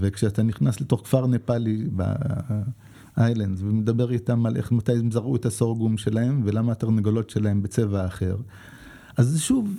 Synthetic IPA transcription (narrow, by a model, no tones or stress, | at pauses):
vekʃeataniχnasle̞to̞χkfaʁnepaliba̰ | ʔajlandzvemedabe̞ʁitamalʔḛχmatajmzaʁuetasoʁɡumʃe̞lahe̞mve̞lamaataʁneɡolo̞tʃe̞lahe̞mbet͡se̞vaːχe̞ʁ | ʔazʃuv